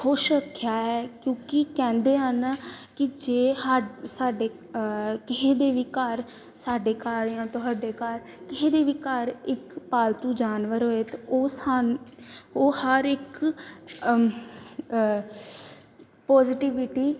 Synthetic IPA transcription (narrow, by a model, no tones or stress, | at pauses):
xoːʃəkʰːjaːɛːkjõːkɪkɛ̃ːnd̪eːɦənkɪd͡ʒeːhsaːɖeː | kɪɦeːd̪eːʋiːkəɾ | saːɖeːkaːɾãːt̪õːɦaːɖeːkaɾ | kɪɦeːd̪eːʋiːkəɾɪkpaːlt̪ũːd͡ʒaːnʋəɾɦoːeːt̪oːs | oːhəɾɪk | pɔːzɪʈiːʋɪʈiː